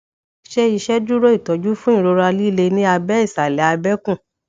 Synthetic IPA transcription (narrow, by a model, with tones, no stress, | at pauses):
ʃe˦i˧ʃɛ˦du˦ɾo˦i˦˨tɔ˨˦d͡ʒu˦fũ˦ĩ˦˨ɾo˧ɾa˧li˦le˧nĩ˦a˧bɛ˦i˦˨sa˨lɛ˨˦a˧bɛ˦kũ˦˨